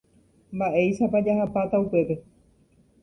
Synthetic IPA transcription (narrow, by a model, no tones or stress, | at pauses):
mbaʔe̞jʃapad͡ʒaɦapat̪aupe̞pe̞